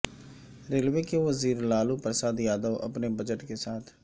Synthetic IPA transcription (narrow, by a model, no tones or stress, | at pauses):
ɾelʋekeʋəziːɾlaːlupɾəsaːd̪jaːd̪əʋɐ̰pnebəd͡ʒəʈkesaːt̪ʰ